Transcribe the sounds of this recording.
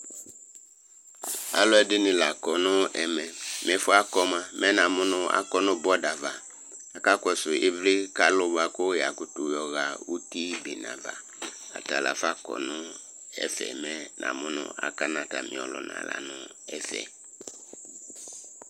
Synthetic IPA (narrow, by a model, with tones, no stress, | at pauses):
a̰˨lɔ˦ɛ˨dɪ˦nɪ̃˨la˨kɔ˨nʊ̃˦ɛ˨mɛ˨m˨ɛ̃˨˦fʊ˦a˦kɔ˦mã˨mɛ̃˦nã˨mʊ̃˦nʊ̃˦a̰˦kɔ˦nʊ̃˦bɔ˦da˨va˨ | a˨ka˦kɔ˨sʊ˨e˦vlɪ˦ka˦lʊ˦ba˨kʊ˦ja˨kʊ˨tʊ˨jɔ˨ɣa˨wu˦ti˦be˨nã̰˨va̰˨ | a̰˨ta˨la̰˨fa˦kɔ̰˨nʊ̃˦ | ɛ̰˦fɛ̰˨mɛ˦nʔã̰˨mʊ̃˦nʊ̰̃˦a̰˨ka˦nã˨ta˨mɪ̰̃˨ɔ˨lɔ̰˨nã̰˨la̰˨nʊ̃˦ | ɛ˦fɛ̰˨